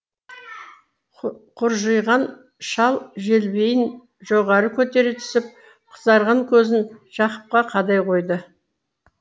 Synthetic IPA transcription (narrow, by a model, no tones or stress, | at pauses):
qʰʊɾʒəjʁɑn | ʃɑlˠʒe̞lbe̞jɪn | ʒ̥oʁɑɾəkʲʰɵt̪e̞ɾɪt̪ʰʏ̥sɪp̚ | qʰə̥zd̪ɑɾʁɑŋkʲʰɵzɪnʒ̥ɑqə̥p̚qɑqʰɑd̪ɑjqʰo̞jd̪ə